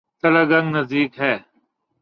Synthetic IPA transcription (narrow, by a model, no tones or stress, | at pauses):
t̪ɐlɐɡɐ̃ŋɡnɐzd̪iːkɦɛː